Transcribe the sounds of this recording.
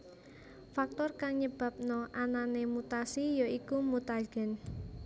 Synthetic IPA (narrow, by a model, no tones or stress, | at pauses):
fak̚t̪ɔrkaŋɲəb̥ä̤p̚nɔʔananemut̪asijoikumut̪aɡ̥ɛ̤n